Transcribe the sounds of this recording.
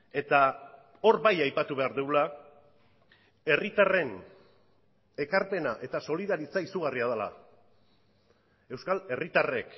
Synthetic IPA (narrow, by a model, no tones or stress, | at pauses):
e̞t̪a | o̞ɾbajajpat̪uβe̞aɾðewla | e̞rit̪are̞n | e̞kaɾpe̞naʔe̞t̪aso̞liðaɾit͡saisuɣ̞ariaðala̰ | e̞wskale̞rit̪are̞k